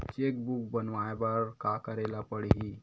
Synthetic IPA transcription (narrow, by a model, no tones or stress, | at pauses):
t͡ɕek̚buk̚bənʋajbəɾkakəɾelapəɽɦi